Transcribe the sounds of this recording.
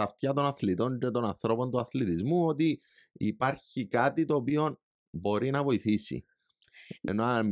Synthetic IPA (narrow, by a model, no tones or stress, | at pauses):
ɐft̪çɐt̪o̞nɐθlit̪o̞ncet̪o̞nɐnθɾo̞po̞nt̪uɐθlit̪izmuo̞t̪i | ḭpɐɾçikɐt̪it̪o̞ːpio̞n | bo̞ɾinɐvo̞iθisḭ | ḛnoɐm